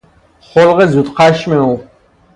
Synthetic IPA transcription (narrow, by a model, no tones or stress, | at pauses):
χʷɔlʁɛzut̪ʼqʰaʃmɛw